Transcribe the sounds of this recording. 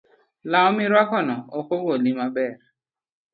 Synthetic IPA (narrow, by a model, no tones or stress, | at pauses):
laɔmɪɾwakɔnɔokoɡolimabɛɾ